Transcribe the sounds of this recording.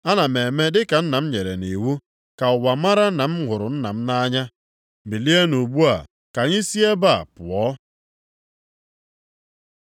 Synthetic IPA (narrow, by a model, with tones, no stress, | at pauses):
a˦na˨me˨me˦dɪ˦ka˨n̩˦na˨m̩˦ɲe˨ɾḛ˨ni˨wu˦ | ka˨ʊ˨wa˨ma˦ɾa˦na˨m̩˦ɦʷʊ˨ɾʊ˨n̩˦na˨m̩˦na˦ɲa˦˨ | bi˨li˦e˦nu˨ɡ͡bu˦a̰˨ | ka˨ɲɪ˦si˦e˦ba̰˦˨pʊ˨ɔ˦